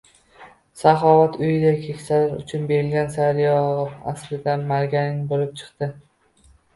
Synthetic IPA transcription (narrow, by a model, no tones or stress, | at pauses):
saχɒvat̪ʰʊjɪd̪akʲʰekʲsaɾɪɾʊ̰t͡ʃʰʊnbe̞ɾɪlɡʲansaɾjɒʁa̰sɾɪd̪anmaɾɡʲanɪŋbolɪp̚t͡ʃʰɨ̥qt̪ɪ